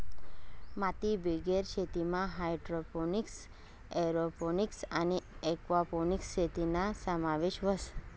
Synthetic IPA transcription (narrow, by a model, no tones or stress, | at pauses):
mat̪ibeɡeɾʃʰet̪imãɦajɖɾoponiks | eɾoponiksaneekʋaponiksʃʰet̪inasəmaʋeʃʋəs